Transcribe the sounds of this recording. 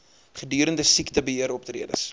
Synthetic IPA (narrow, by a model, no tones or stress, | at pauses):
χədyːɾəndəsiktəbəɦiəɾɔp̚təɾḭədə̰s